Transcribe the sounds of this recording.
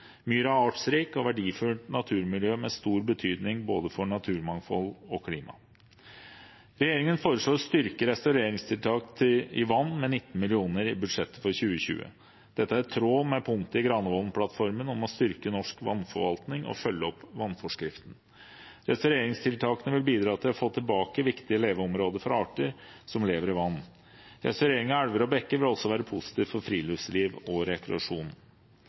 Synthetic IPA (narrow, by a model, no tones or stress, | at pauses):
myːɾɑɑːʈsɾiːkɔʋæɖiːfʉlʈ̪nɑt̪ʰʉːɾmɪljøːmɛst̪uːɾbət̪ʰyːd̪nɪŋboːd̪əfɔɳɑt̪ʰʉːɾmɑŋfɔlɔkʰliːmʔɑ̰ | ɾɛjeːɾɪŋənfoːɾəʂɭoːst̪ʏɾkəɾɛst̪ɑʉɾeːɾɪŋst̪ʰɪlt̪ʰɑːkt̪ʰɪɪʋɑnːmɛnɪt̪ːn̩mɪlɪuːnəɾɪbʉd̪ʂɛt̪ːə̥fɔɾçʉːəɕʉ̰ːə̰ | d̪̥ɛt̪ːəæɾt̪ʰɾoːmɛpʰʊŋt̪əɪɡɾɑnəʋɔlnpʰlɑt̪fɔɾmənɔmɔst̪ʏɾkənɔʂkʋɑ̰nːfɔʋɑlt̪nɪŋɔ̰fœlːəɔpːʋɑnːfɔʂkɾɪft̪n | ɾɛst̪œɾeːɾɪŋst̪ʰɪlt̪ʰɑːkənəʋɪlbiːd̪ɾɑːt̪ʰɪlɔfoːt̪ʰɪlbɑːkəʋɪkt̪ɪəleːʋəɔmɾoːd̪əɾfɔɾɑːʈəɾsɔmleːʋəɾɪʋɑnː | ɾɛ̰st̪œɾeːɾɪŋɑæɽʋəɾɔbɛkːəʋɪlɔsɔʋæːɾəpʰʊsɪ̥t̪ʰiːʋfɔɾfɾiːlʉʋsliːʋɔɾɛkɾɛ̰ɑʂuːn